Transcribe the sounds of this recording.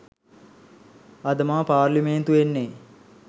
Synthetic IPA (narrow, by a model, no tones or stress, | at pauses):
ɐd̪əmaːpaːrliment̪uʋenːe